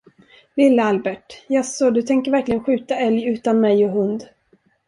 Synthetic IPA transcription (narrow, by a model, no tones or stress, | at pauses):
lɪlːəalbɛʈjasɔd̪ɵt̪ʰɛŋkəɾvæɾklɪɡənɧʉ̟ːt̪aɛljʉ̟ːt̪anmɛjɔɦɵnd̪